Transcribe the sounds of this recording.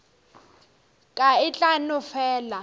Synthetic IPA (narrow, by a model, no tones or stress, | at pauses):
kʼaɪt͡ɬʼanʊfɛːla